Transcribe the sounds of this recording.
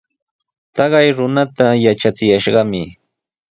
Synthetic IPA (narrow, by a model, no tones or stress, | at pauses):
t̪ɑɢɑjɾʊnat̪ajaʈ͡ʂat͡sɪjaʃɢɑmɪ